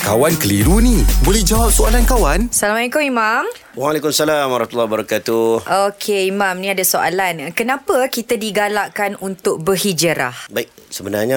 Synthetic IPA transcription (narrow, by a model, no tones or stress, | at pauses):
kawankəliɾunĩbolɛhd͡ʒawap̚soalankawansalamaikoimam | walekumsalamaɾat̪ulːabəɾakat̪uʔokʰeimãmnĩadasoʔa̰lankənãpəkit̪adiɡalaʔkanunt̪ʊk̚bəhid͡ʒəɾa̰hbaik̚səbənarɲa